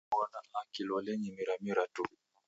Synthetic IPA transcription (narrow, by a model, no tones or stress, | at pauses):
wanaakilɔlɛɲimiɾamiɾatu